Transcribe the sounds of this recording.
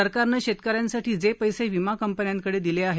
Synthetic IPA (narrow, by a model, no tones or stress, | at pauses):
əɾkaɾnəɕet̪kəɾjansaʈiːd͡zepəjseʋimakəmpənjaŋkəɽed̪ileaɦe